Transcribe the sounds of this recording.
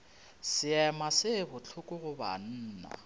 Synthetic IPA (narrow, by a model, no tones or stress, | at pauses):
sɪɛmasɪbʊt͡ɬʰʊkʼʊɣʊba̰n̩ːna̰